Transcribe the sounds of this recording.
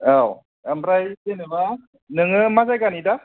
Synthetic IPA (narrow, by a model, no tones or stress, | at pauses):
aw | əmbɾajzenɯba | nɯŋɯmazajɡanida